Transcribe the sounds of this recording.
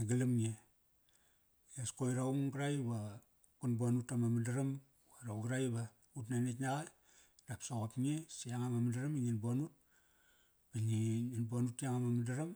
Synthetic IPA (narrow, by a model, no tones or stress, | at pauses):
aɡalamŋe | eskojɾauŋɡɾajba | kunbanutamamadaɾam | waɾawɡɾajba | ut̬nanetɲaɡa | ɾapsoɣotŋesiaŋamamadaɾamiŋinbanut̚ | biɲiŋinbuanutiaŋamamidaɾam